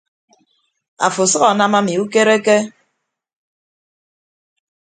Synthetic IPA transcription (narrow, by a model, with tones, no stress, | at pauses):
a̰˨fo˨sʌ˦ɣa˨na˦ma˦mi˨u˦ke˦ɾe˦ke˦